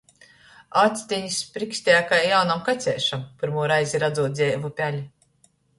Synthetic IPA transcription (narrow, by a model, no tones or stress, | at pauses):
at̪sʲt̪ʲiɲisʲpɾiksʲt̪ʲɛjakajjawnamkat̪sʲɛːʃampʲɨɾmuɔɾajziɾad̪zuɔt̪d̪zʲɛːvupʲælʲi